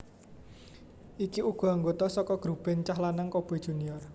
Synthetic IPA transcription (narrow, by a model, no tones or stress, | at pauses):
ʔikiʔuɡ̥ɔ̤aŋɡot̪ɔsɔkɔɡ̥ɾub̥ɛnt͡ʃaɦlanaŋkob̥od̥ʒ̥ṳnijɔr